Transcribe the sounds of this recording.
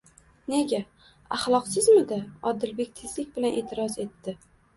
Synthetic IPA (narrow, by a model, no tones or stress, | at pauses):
ne̞ɡʲa | aχlˠɒqsɪzmɪd̪aɒd̪ɪlbe̞k̚ʲt̪ʰezlɪk̚ʲbɪlanʔe̞ːt̪ʰɪɾɒze̞t̪ʰːɪ